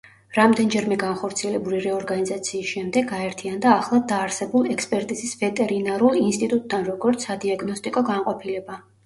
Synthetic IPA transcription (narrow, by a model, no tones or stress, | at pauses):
ɾamd̪ɛnd͡ʒɛɾmɛɡanχɔɾt̪sʰiɛlɛbuliɾɛɔɾɡanizat̪sʰiːsʃɛmd̪ɛɡaɛɾt̪ʰiand̪aːχlˠad̪aːɾsɛbulˠɛkspʼɛɾt̪ʼizisvɛt̪ʼɛɾinaɾulˠinst̪ʼit̪ʼut̪ʼd̪anɾɔɡɔɾt̪sʰːad̪iaɡnɔst̪ʼikʼɔɡaɴqʼɔpʰilɛba